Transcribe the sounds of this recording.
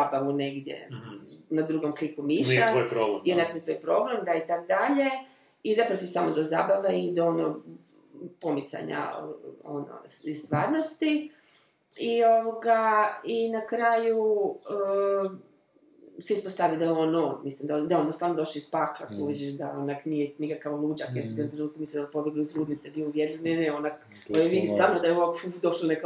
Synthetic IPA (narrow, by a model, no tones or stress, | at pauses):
abaʋuneɡd̪jḛ | nad̪ɾuɡomklikumiʃaojpɾoɡeionapot̪ojpɾo̞ɡɾamd̪ait̪akd̪aʎe̞ | izapɾot̪isamod̪ozaːbaʋaid̪aono | po̞mit̪sa̰ɲa̰o̰no̰ist̪ʋaːɾnost̪i | ioʋoɡainakɾaːju | sɛispost̪aʋid̪aonomislimd̪ad̪aond̪asaːmod̪o̞ʃloispaːklˠakuʋid͡ʒeʃd̪ao̞naknijenikakaʋlˠuːd͡ʒakjeɾsieomt̪ɾenuːt̪̚kumislimnd̪onpo̞bjeɡloizɡuːd̪nit̪sebioudjed̪lemeneonak | ojeʋid̪ist̪aːɾnod̪ajeoekd̪o̞ʃlonek